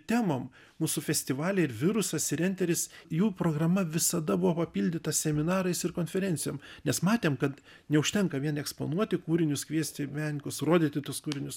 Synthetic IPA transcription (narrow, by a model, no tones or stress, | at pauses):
t̪ʲæːmoːm | muːsʊfʲɛsʲt̪ʲɪʋɑːlʲɛɪɾʋʲɪɾʊsɐsɪɾʲɛnʲt̪ʲɛɾʲɪsjuːpɾoːɡɾɐmɐʋʲɪsɐd̪ɐbʊʋoːpɐpʲiːlʲd̪ʲɪt̪ɐsʲɛmʲɪnɑːɾɐɪsɪrkoːnʲfʲɛɾʲɛnʲt̪sʲɪjoːmnʲɛsmɑːt̪ʲeːmkɐt̪ | nʲɛʊʃʲt̪ʲɛŋkɐʋʲiɛnɛkspo̰nuɔt̪ʲɪkuːɾʲɪnʲʊskʋʲiɛsʲt̪ʲɪmʲæŋʲkʊsroːd̪ʲit̪ʲɪt̪uskuːɾʲɪnʲʊs